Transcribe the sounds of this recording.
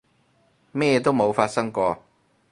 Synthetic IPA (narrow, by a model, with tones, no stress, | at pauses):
mɛː˥˧t̪o˥wmo˨˧wfaː˧t̚sɐ˥ŋkɔː˧